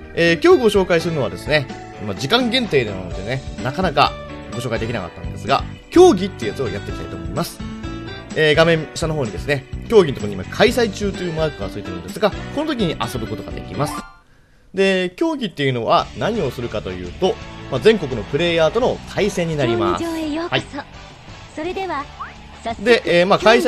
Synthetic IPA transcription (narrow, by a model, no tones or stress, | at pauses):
eːkʲo̞ːɡʲio̞ɕo̞ːkaisɨɾɯ̟no̞βad̪e̞sɨne̞ | mad͡ʑikãŋɡẽ̞nt̪e̞ːd̪ennot̪ːenenakanaka̰ | ɡoɕokaid̪e̞kʲina̰ka̰t̪ːan̰d̪e̞sɨɡa̰ | kʲo̞ːɡʲit̪ːe̞iɯ̟jat͡sɨo̰jat̪ːekʲi̥t̪a̰it̪o̞ːmo̰imasɨ̥ | eɡamẽ̞ɰɕit̪ano̞ɦo̞ːɲ̟id̪esɨne̞kʲo̞ːɡʲinot̪okoimakʰaisait͡ɕɨːt̪ojɯ̟maɯkɯ̟ɡasoit̪omɯ̰ːnd̪esɨɡako̞no̞t̪o̞k̬ʲiɲ̟iʔaso̞bɯ̟ko̞t̪o̞ɡa̰d̪e̞̰kʲimasɨ̥ | d̪e̞kʲo̞ːɡʲit̪ːe̞jɯ̟no̞βanaɲ̟io̞sɨɾɯ̟kat̪o̞jɯ̟̰ːt̪o̞mazẽ̞ŋko̞k̬ɯ̟no̞pɯ̟ɾe̞ːjaːt̪o̞no̞t̪ʰaisẽ̞ɲ̟ːinaɾʲima̰shai | ɾed̪eβa | d̪e̞ʔːmakai